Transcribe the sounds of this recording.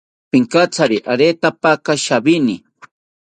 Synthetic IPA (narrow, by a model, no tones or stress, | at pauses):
pɪŋkat͡saɾiʔaɾet̪apakaʃabini